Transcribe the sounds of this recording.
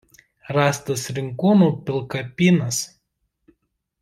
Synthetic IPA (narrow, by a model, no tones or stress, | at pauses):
ɾɑːst̪ɐsɾʲɪŋkuːnuːpʲɪlˠkɐpʲiːnɐs